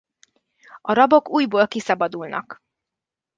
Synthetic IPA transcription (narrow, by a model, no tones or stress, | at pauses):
ɒɾɒbokuːjboːlkisɒbɒd̪ulnɒ̰k